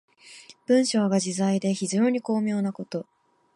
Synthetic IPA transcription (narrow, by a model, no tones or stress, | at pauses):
b̥ɯ̟̃ɰ̃ɕo̞ːɡaʑizaid̪e̞çiʑo̞ːɲ̟iko̞ːmʲjo̞ːnako̞t̪o̞